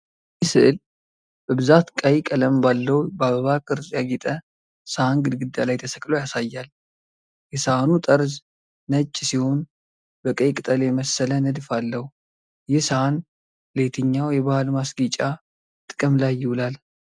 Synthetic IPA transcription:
ɪsɨʔɨl | b̥əbɨzat̪kʼəjkʼələmbalːəwbəaβəβakʼɨɾzjaɡɛt̪ʼə | səhanɡɨd̪ɡɨd̪ːalajt̪ʰəsəkʼlojasajːal | jɛsaanut̪ʼəɾz | nət͡ʃʼːsiho̞n | bəkʼəjkʼɨt̪ʼəleməsːələnɨd̪falːəhu | jɪhsəhan | let̪ʰɨɲːawjɛβahalmasɡit͡ʃʼa | t̪ʼɨ̥kʼɨmlajːɪwʊlal

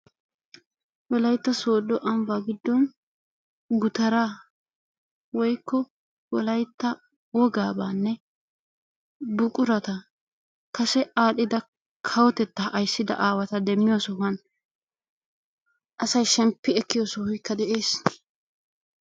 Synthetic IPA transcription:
wɔlɐjt̪ːɐso̞ːd̪ːɔʔɐmbaːɡɪd̪ːɔn | ɡʊt̪ɐɾaː | wɔjkːɔ | wɔlɐjt̪ːɐ | wɔɡaːbaːnːɛ | bʊkʼʊɾɐt̪ɐ | kɐsɛʔaːɗɪd̪ɐ | kʰɐwɔt̪ɛt̪ːɐʔɐjsːɪd̪ɐ̰ʔaːwɐt̪ɐd̪ɛmːɪjɔsɔhɐn | ʔɐsɐjʃɛmpːɪɛkːɪjosɔhʊjkːɐd̪ɛʔeːs

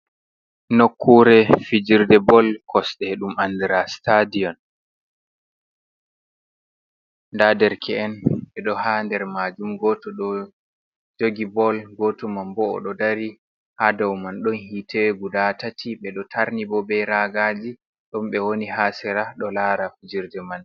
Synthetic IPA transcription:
nokʰːuɾɛfid͡ʒiɾdɛbɔlkʰɔsɗɛɗumandiɾastadijɔn | ndadɛɾkʰɛːnɓɛɗɔhandɛɾmad͡ʒumɡɔtɔɗɔ | d͡ʒoɡibɔlɡɔtɔmambɔ̰ːɗɔdaɾi | hadɔwmanɗɔnhitʰɛɡudatatʰiɓɛɗɔtʰaɾnibɔbɛjɾaɡad͡ʒi | ɗɔmɓɛwoniɦasɛɾaɗɔlaɾafid͡ʒiɾdɛman

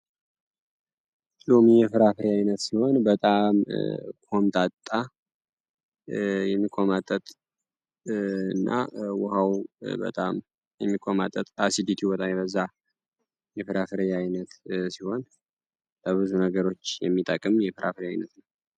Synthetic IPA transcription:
lomijɛfɨɾafɨɾeajnət̪siho̞nbət̪ʼamkʰo̞mt̪ʼat̪ʼːa | jɛmːikʰomat̪ʼət̪ʼ | ɨnːʔa̰wɔhawbə̰t̪ʼam | jɛmːikʰomat̪ʼːət̪ʼasid̪it̪ʰibɔt̪ʼamjbəzːa | jɛfɨɾafɨɾjajnət̪siho̞n | bəβɨzunəɡəɾo̞t͡ʃːjɛ̰mːit̪ʼəkʼɨmjɛfɨɾʔa̰fɨɾajnət̪nəw

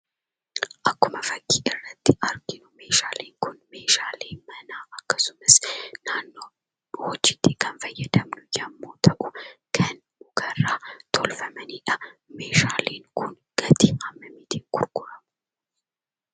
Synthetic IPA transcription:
ʔɐkːʊmɐfɐkːiːʔɪrːɐt̪ːɪɐɾɡɪnʊme̞ːʃaːleːŋkʊnme̞ːʃaːleːmɐnaːʔɐkːɐsʊmɐsnaːnːoː | wɔd͡ʒːɪt̪ːiːkʰɐnfɐjːɐd̪ɐmnʊd͡ʒɐmːoːt̪ʰɐʔʊkʰɐn | mʊɡɐrːaːt̪ʰɔlfɐmɐniːᶑɐmeːʃaːleːŋkʊn | ɡ̥ɐt̪iːʔɐmːɐmɪt̪iːŋkʊɾkʊɾɐmʊ

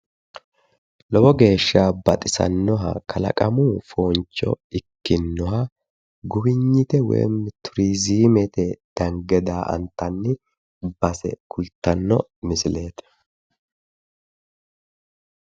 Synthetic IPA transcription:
lɔbɔɡe̞ːʃːaːbɐt̪ʼɪsɐ̰nːɔɦɐ̰kʰɐlɐ̰kʼɐmuːfoːnt͡ʃːɔ̰ɪkːɪnːɔɦɐ | ɡʊbɪɲːɪt̪ɛwḛːmt̪ʰʊɾiːziːmɛt̪ɛd̪̥ɐŋɡɛd̪aːʔɐ̰nt̪ːɐnːɪ | bɐsɛ̰kʰʊlt̪ːɐnːɔmɪsɪle̞ːt̪ɛ̥

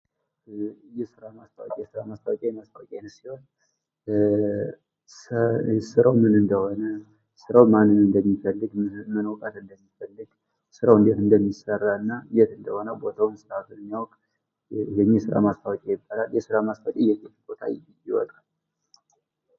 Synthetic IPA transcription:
jɛsɨɾamast̪ʰawkʼjɛsɨɾamast̪ʰawɔkʼejɛmast̪ʰawɔkʼenɨsiho̞n | sɨɾawmɨnɨnd̪əho̞nə | sɨɾawmanːɨnɨnd̪əmːifəlːɨɡmənəwk̪ʼat̪ɨnd̪əmːifəlːɨɡ | sɨɾawɨnd̪et̪ɨnd̪əmːisərːaɨnːajɛt̪ɨnd̪əho̞nəwbo̞t̪ʰawnsɨɾat̪ɨnmːijawɔkʼ | jɛmːisɨɾa̰mast̪ʰawɔkʼejɪbːalaljɛsɨɾamast̪ʰawt͡ʃʼijɛkʼɛlbo̞t̪ʰa̰ | jɪwɔ̰t̪ʼal

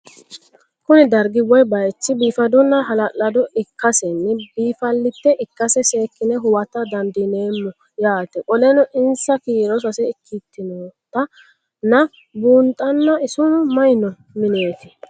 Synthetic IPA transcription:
kʊnɪd̪ɐɾɡɪwɔjbɐjt͡ʃːɪbiːfɐd̪ɔnːɐɦɐlɐlːɐd̪ɔɪkʰːɐsɛnːɪbiːfɐlːɪt̪ːɛʔɪkːɐsɛse̞ːkːɪnɛɦʊwɐt̪ːɐd̪ɐnd̪ɪne̞ːmːɔ | jaːt̪ɛʔɔlɛnɔʔɪnsɐkiːɾɔs̬ɐsɛɪkʰːit̪ːɪnoːt̪ːɐ | nɐ | buːnt̪ʼːɐnːɐɪsʊnʊmɐjnɔ | mɪne̞ːt̪ɪ̥

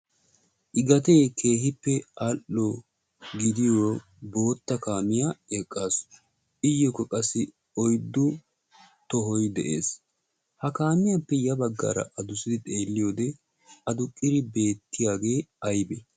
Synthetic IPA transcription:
ʔɪɡɐt̪eːkʰe̞ːhɪpːɛɐʔɔ | ɡɪd̪ɪjoː | bo̞ːt̪ːɐkaːmɪjaekʼːaːs | ʔɪjːɔkːɔkʼɐsːɪ | ɔjd̪ːʊ | t̪ɔɦɔjd̪ɛ̰ʔḛːs | hɐkaːmɪjapːɛjɐbɐɡːa̰ːɾɐ̰ʔɐd̪ʊsɪd̪ɪt̪ʼe̞ːlːɪjoːd̪ɛ | ɐd̪ʊkʼːɪɾɪbe̞ːt̪ːɪjaːɡe̞ːɐjbɛ

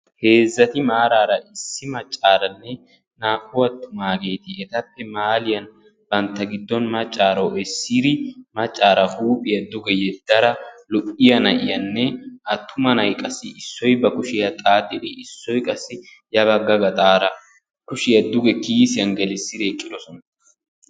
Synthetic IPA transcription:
he̞ːzːɐt̪ɪmaːɾaːɾɐʔɪsːɪmɐt͡ʃʼːaːɾɐnːɛ | naːkːʊwɐt̪ːʊmaːɡe̞ːt̪ɪɛt̪ɐpːɛmaːlɪjɐn | b̥ɐnt̪ːɐɡɪd̪ːɔnmɐt͡ʃʼːaːɾɐwɛsːiɾɪmɐt͡ʃʼːaːɾɐhuːpʼɪjɐd̪ʊɡɛjɛd̪̥ːɐɾɐlʊʔɪjɐnɐʔɪjɐnːɛʔɐt̪ʰːʊmɐnɐjkʼɐsːɪɪsːɔjbɐkʊʃɪjɐt̪ʼaːt̪ʼːɪᶑ̪ɪɪsːɔjkʼɐsːɪ | jɐβɐɡːɐɡɐt̪ʼaːɾɐ | kʊʃɪjɐd̪ʊɡɛkiːsɪjɐŋɡɛlɪsːɪɾeːkʼːɪᶑ̪ɔsɔnɐ

